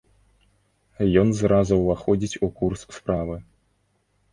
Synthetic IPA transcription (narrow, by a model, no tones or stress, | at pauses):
jɔnzɾazuwvaxɔd͡zʲit͡sʲukursspɾavɨ